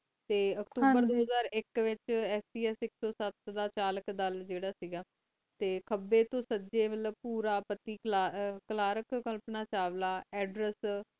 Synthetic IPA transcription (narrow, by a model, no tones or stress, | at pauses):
t̪eːəkt̪uːbəɾd̪oːɦəzaːɾɪkʋɪt͡ʃɛːsiːɛːsɪksɔːsət̪d̪aːt͡ʃaːləkd̪əld͡ʒeːɽaːsiɡaː | t̪eːkʰəbːeːt̪õːsəd͡ʒeːmət̪ləb̚puːɾaːpət̪iːkakəlaːɾəkkəlpnaːt͡ʃaːʋlaːɛːɖɾɛs